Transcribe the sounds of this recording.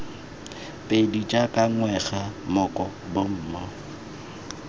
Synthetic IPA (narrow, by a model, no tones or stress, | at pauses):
pʼedut͡ʃʼakʼaŋwɛɣamʊkʼɔbom̩mɔ